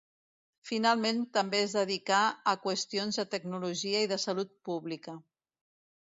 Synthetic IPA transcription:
finalˠment̪əmbeezðəðikaəkwəst̪ionzðət̪əɡnuluʒiəiðəsəlut̪̚puβlikə

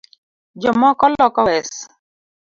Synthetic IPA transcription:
d͡ʒɔmɔkɔlɔkɔwɛs

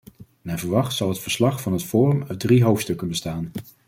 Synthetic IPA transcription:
naːvəɹʋɑχtsɑlˠɦətfəɹslɑχfɑnɦətfoːrəmədriɦowftstɵkənbəstaːn

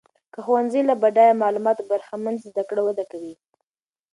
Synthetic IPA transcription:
kəxwanzəjlabaɖajamɑlumɑt̪baɾxamand̪zd̪akɽawad̪akawi

